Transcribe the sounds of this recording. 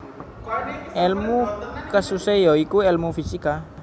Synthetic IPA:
ɛlmukəsusejoikuɛlmufisika

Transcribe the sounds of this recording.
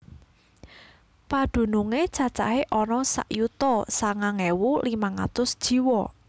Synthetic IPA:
pad̪̥ṳnuŋet͡ʃat͡ʃa̰ɦeʔɔnɔsa̰ʔjut̪ɔsaŋaŋɛwulimaŋa̰t̪ʊsd̥ʒ̥i̤wɔ

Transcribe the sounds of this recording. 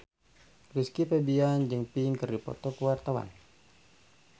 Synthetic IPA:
riskipɛbiand͡ʒɨŋpiŋkərdipɔ̰t̪ɔkəwart̪awa̰n

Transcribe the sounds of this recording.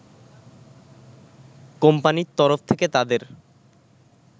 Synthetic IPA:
kompanit̪ɔɾoft̪ʰeket̪ad̪eɾ

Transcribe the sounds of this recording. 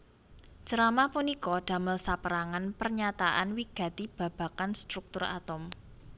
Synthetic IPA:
ʒ̥əɾamapunikɔɖ̪̥ä̤məlsapəɾaŋanpərɲat̪aʔanwiɡ̥ä̤t̪ib̥ä̤b̥ä̤kanst̪ɾuk̚t̪ʊra̰t̪ʊm

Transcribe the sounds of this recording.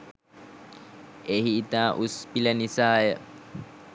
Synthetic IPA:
eɦiːt̪aːʔuspilɐnisaːjə

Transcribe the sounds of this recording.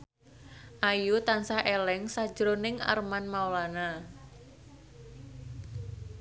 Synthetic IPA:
ʔajut̪ansahelɛŋsḁd͡ʒɾonɪŋa̰rmanmaulana

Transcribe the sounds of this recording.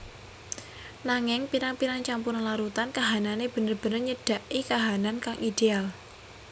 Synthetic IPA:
naŋɪŋpiɾaŋpiɾaŋt͡ʃampuɾanlaɾut̪ankaɦananeb̥ə̤nərb̥ə̤nərɲəɖ̥a̤ʔikaɦanankaŋʔid̥eal

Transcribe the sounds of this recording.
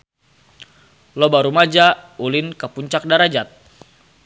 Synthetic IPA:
lobaɾumad͡ʒaulɪnkəpuɲt͡ʃak̚daɾad͡ʒat̪̚

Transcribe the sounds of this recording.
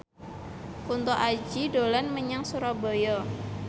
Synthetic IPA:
kunt̪ɔʔad͡ʒidolanməɲaŋsuɾabɔjɔ

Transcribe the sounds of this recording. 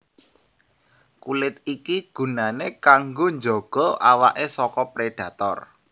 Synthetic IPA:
kulɪt̪ikiɡ̥ṳnanekaŋɡoɲd͡ʒɔɡ̥ɔ̤awa̰ʔesɔkɔpɾeɖ̥ä̤t̪ɔ̰r

